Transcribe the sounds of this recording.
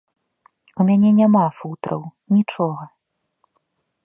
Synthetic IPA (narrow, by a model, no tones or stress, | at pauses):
umʲanʲɛnʲamafut̪ɾɐ̰wnʲit͡ʂɔɣɐ